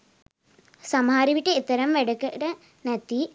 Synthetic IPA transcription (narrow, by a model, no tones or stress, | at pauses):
sɐmhaːɾiʋiʈːeit̪ːɐɾɐmʋeɽɐkːɐʈɐ | net̪ːi